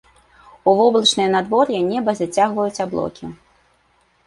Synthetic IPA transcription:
uvɔblˠɐt͡ʂnɨjɐnad̪vɔɾjɛnʲɛbɐzat͡sʲaɣvɐjut͡sʲablˠɔ̰kʲi

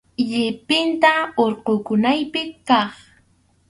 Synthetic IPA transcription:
ʎɪpɪnt̪aoɾqokʊnajpɪkːɑχ

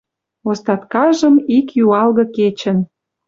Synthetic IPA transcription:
ost̪ɑt̪kɑʒə̆mikjuɑlɣɤ̆ket͡ɕə̆n

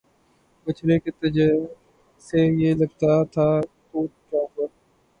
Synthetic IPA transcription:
bət͡ʃʰɾeket̪əd͡ʒe | seːjeːləɡ̚t̪at̪ʰaː | kuːʈ̚ʈɾaːfəɾ

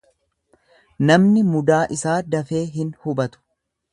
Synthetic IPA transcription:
nɐmnɪmʊd̪aːʔɪsaːd̪ɐfe̞ːɦɪnhʊbɐt̪ʊ̥

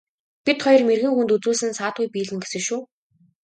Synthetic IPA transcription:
pit̪χɔjɞ̆rmerɣɘ̆ŋxunt̪ut͡suːsɘ̆nsaːt̪̚ujpiːɮɘ̆ŋɡesɘ̆ʃuː

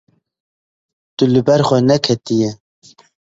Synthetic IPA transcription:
t̪ulɨbɛɾxʷɛnɛkʰɛt̪ijɛ

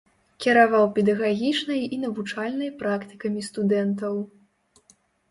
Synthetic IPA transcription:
kʲiɾavawpʲɛd̪ɐɣaɣʲit͡ʂnɐjinɐvut͡ʂalʲnɐjpɾakt̪ɨ̥kɐmʲist̪ud̪ɛnt̪̬ɐw

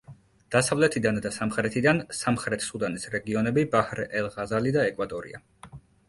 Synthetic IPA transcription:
d̪̥asavlɛt̪ʰid̪and̪asamχɾɛt̪ʰid̪ansamχɾɛt̪ʰsud̪anisɾɛɡiɔnɛbibahɾɛlˠʁazalid̪aɛkʼwat̪ʼɔɾḭa

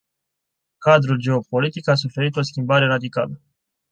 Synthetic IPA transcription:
kad̪ɾuld͡ʒe̞o̞po̞lit̪ikas̬ufe̞ɾit̪o̞skʲimbaɾe̞ɾad̪ikalə

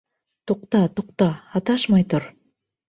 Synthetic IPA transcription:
t̪uq̚t̪ɑt̪uq̚t̪ɑːt̪ɑʃmɑjt̪uɾ

